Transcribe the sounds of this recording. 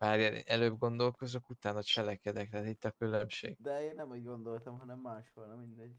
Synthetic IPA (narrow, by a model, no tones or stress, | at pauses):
aːɾjɛlɛløːbɡo̞nd̪o̞lko̞zo̞kut̪aːnɒt͡ʃɛlɛkɛd̪ɛkt̪aːt̪it̪ːɒkylømʃḛːɡd̪ɛeːnːɛmuːɟɡo̞nd̪o̞lt̪ɒmɦɒnɛmːaːʃʋolnɒmind̪ɛɟː